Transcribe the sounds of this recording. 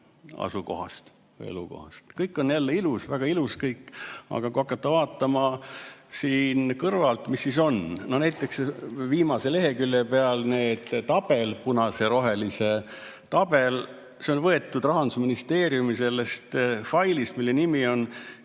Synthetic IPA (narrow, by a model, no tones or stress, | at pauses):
ɑ̰suko̞̰ɦɑ̰st̪ | ḛlṵko̞̰hɑ̰st̪kɤjkːˑo̞njælːeilusvæɡ̥ɑiluskɤjkːˑɑ̰ɡ̥ɑkuɑkːˑɑt̪ːɑvɑːt̪ːˑɑmɑsiːnkɤrvɑlt̪misːis̬o̞nno̞næjt̪ːˑeksviːmɑse̞le̞ɦe̞kylːepeɑlne̞ːd̪̥t̪ɑb̥e̞lpunɑse̞ɾo̞ɦe̞lise̞ | t̪ɑb̥e̞l | seo̞nvɤe̞t̪ːud̪rɑɦɑnd̪usminist̪e̞ːɾjumise̞lːe̞st̪fɑjlismilːe̞nimio̞n